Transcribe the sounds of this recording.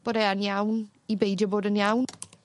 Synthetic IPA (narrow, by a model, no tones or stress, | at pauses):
b̥ɔɾɛanjawn | ibejdjəboːdənjawn